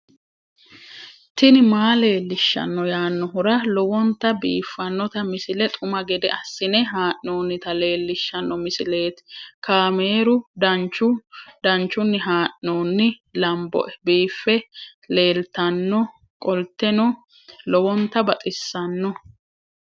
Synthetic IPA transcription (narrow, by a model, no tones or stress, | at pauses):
t̪ɪnɪmaːle̞ːlːɪʃːɐ̰nːɔjaːnːɔɦʊɾɐlɔwɔnt̪ːɐbiːfːɐnːɔt̪ɐmɪsɪlɛt̪ʼʊmɐɡɛd̪ɛʔɐsːɪnɛɦaːʔno̞ːnːɪt̪ɐle̞ːlːɪʃːɐnːɔmɪsɪle̞ːt̪kaːme̞ːɾʊd̪ɐnt͡ʃːʊd̪ɐnt͡ʃːʊnːɪɦaːʔnoːnːɪlɐmbɔ̰ʔɛbiːfːɛle̞ːlt̪ɐnːɔ | kʼɔlt̪ːɛnɔ | lɔwɔnt̪ːɐbɐt̪ʼɪsːɐnːɔ